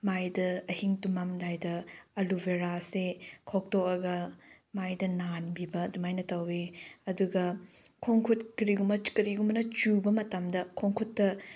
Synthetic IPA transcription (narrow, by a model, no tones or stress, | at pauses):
majdɐɐhiŋtumamdajdɐɐlubeɾasekʰok̚toɐɡɐ | majdɐnanbibɐdumajnɐtɐweɐduɡɐ | kʰoŋkʰut̚kɾiɡumɐkɐɾiɡumɐnɐt͡ʃubɐmɐtamdɐkʰoŋkʰutːɐ